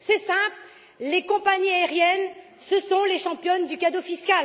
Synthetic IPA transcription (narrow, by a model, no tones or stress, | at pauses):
sɛsɛ̃pl | lekɔ̃paɲiaɛʁjɛn | səsɔ̃leʃɑ̃pjɔnd̪ykad̪ofiskʲal